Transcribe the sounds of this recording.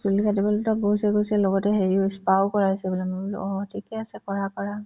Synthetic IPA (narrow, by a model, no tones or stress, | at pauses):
sulikatibɔltɔɡosɛɡojsiɛlɔɡɔtɛxeɹiʊispawkɔɹaɦisɛbɔlɛmɔbul̰ɔtʰikɛasɛkɔɹakɔɹa